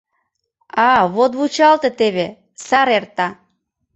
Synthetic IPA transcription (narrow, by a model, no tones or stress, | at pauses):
ɑβot̪βut͡ɕɑlt̪ĕt̪eβe | sɑɾert̪ɑ